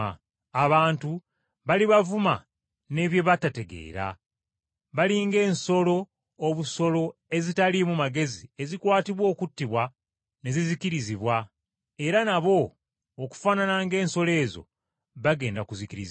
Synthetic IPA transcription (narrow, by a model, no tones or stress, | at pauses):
aβaːntu | βaliβavuma | ne̞βje̞βatate̞ɡe̞̰ːɾa̰ | βaliŋɡe̞ːnso̞lo̞ː | βuso̞lo̞e̞zitalimumaɡe̞zie̞zikwaːtiβwo̞ːkutːiβwa | ne̞zizikiɾiziβwa | e̞ɾanaβo̞ː | ku̥fananaŋɡe̞ːnso̞le̞ːzo̞̰ | βaɡe̞ːndakuzikiɾiz